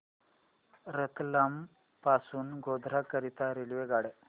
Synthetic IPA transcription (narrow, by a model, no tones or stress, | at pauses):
ɾət̪lam | pasuːnɡod̪ʱɾakəɾit̪aɾilʋeɡaɽe